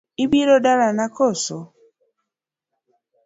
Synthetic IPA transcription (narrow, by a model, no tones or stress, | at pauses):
ibiɾɔdaɾanakɔsɔ